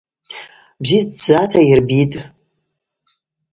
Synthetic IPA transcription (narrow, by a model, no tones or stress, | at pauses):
bzidd͡zatʰairbitʼ